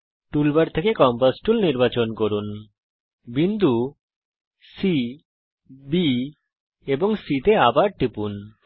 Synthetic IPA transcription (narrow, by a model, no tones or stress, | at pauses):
ʈulbaɾt̪ʰekekɔmpasʈulniɾbat͡ɕonkoɾun | bind̪ʱu | si | bi | eboŋsit̪eabaɾʈipun